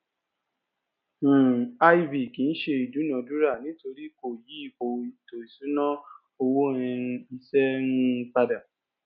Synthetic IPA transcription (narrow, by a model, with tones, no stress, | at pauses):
a˦i˦vi˨kĩ˨˦n̩˦ʃe˧i˨du˨˦nã˧du˦ɾa˦˨nĩ˨˦to˧ɾi˦ko˨ji˨˦i˦˨k͡po˨i˨to˨i˨sũ˨˦nã˦ | o˧wo˦ɛ̃˧ũ˧i˧sɛ˦nũ˧k͡pa˧da˨